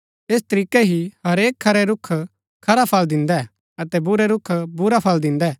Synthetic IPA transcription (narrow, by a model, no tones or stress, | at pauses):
eːst̪ɐɾiːkɛɦihɐɾeːkʰːɐɾɛɾʊkʰː | kʰɐɾapʰɐld̪ɪ̃nd̪ɛ | ɐt̪ɛbʊɾɛɾʊkʰbʊɾapʰɐld̪ɪ̃nd̪ɛː